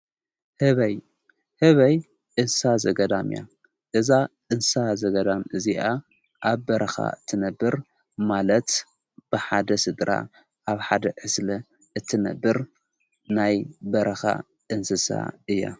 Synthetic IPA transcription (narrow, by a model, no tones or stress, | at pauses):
hɨβɐj | hɨβɐj | ʔɨnsazɐɡɐd̪amja̰ | ʔɨzaʔɨnsazɐɡɐd̪amɨziʔa | ʔaβbɐɾʔɐxa̰ɨt̪ʰːɨnɐbːɨɾ | malɐt̪ | b̥ɨħad̪ɐsɨd̪ɾa̰ | ʔaβħad̪ɐʕɨslɐ | ʔɨt̪ʰːɨnɐ̰bːɨɾ | najbɐɾɐxa̰ | ʔɨnsɨsa̰ɨjːa̰